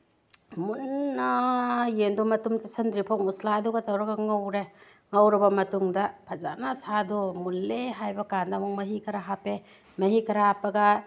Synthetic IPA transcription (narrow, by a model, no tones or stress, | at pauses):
munːajendumɐtumtisɐndɾipʰoŋuslaːduɡɐtɐwɾɐɡɐŋɐwɾe | ŋɐwɾɐbɐmɐtuŋdɐpʰɐza̰nasadomulːeɦajbɐkandamuŋmɐɦikʰɐɾaɦape | mɐhikʰɐɾahapɐɡɐ